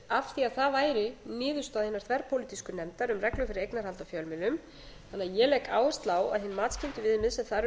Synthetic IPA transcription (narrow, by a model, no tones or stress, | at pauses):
afθiaðθavaːjɾɪnɪːðʏst̪aðhɪnːḁɾθʰvɛɾpʰowlit̪iskʏnɛmt̪aɾʏmrɛklʏfɪɾɪɾejknaɾ̥halt̪afjœlmɪlʏm | θanːaðjɛlɛːkaːwɪst̪laːwa̰ðhɪnmaːt̪scɪnt̪ʏvɪðʏmːɪðsɛmθaɾ